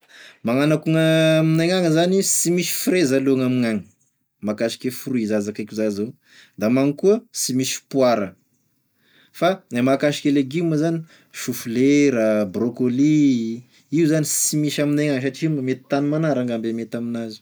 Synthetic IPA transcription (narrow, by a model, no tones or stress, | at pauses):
maŋanakuŋəminaŋaŋəzanisimisi̥fɾezaloŋamiŋaŋə | makaʃi̥kʲefuruizazakakʲuzazaw | d̪amaŋkuəsimisi̥pwaɾə | faamakaʃi̥keleɡiməzani | ʃufuleɾəbrokoli | iuzanisimiʃaminaŋaŋəs̬aʈ͡ʂimamet̪i̥t̪animanaɾaŋɡambemet̪aminazi̥